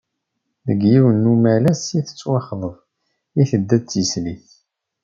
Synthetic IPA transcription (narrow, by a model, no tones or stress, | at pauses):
ðəɡjiwənːumælæsjiθə̥t͡sːwɑχðˤəðˤ | iθəd̪ːæt͡sːjəsliθ